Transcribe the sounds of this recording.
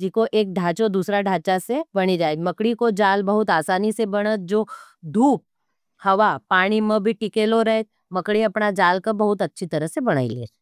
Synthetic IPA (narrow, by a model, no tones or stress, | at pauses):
ikoʔeːk̚ɖʱaːt͡ʃod̪uːsɾaɖʱaːt͡ʃasebɐɽ̃id͡ʒaːeɡmɐkɽikod͡ʒaːlbɐɦʊt̪aːsaːnisebɐɽ̃ət̪̚d͡ʒoːd̪ʱuːp̚ | hɐʋapaːɽ̃imẽbʱiʈɪkeloɾɛɦet̪̚ | mɐkɽiɐpnad͡ʒaːlkobɐɦʊt̪ɐtːʃʰit̪ɐɾəɦsebɐɽ̃a̰ːḭlḛː